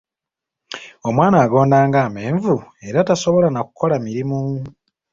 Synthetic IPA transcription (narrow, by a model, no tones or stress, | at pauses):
o̞mwaːnaːɡo̞ːndaːŋɡaːme̞ːɱvue̞ɾataso̞βo̞lanaku̥kʰo̞lamiɾimu